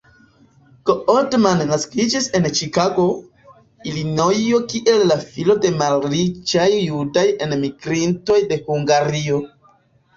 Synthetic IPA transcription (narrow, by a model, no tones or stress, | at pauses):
koodmanːaskid͡ʒise̞nt͡ʃikaɡo̞ | ilino̞jo̞kiʔe̞lːafilo̞de̞malɾid͡ʒajːudaje̞nmiɡɾinto̞jde̞huŋɡaɾio̞